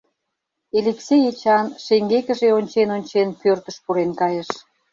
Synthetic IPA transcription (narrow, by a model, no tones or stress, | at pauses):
eliksʲejet͡ɕɑnʃeŋɡekə̆ʒeonʲt͡ɕenonʲt͡ɕenpørt̪əʃpuɾenkɑjəʃ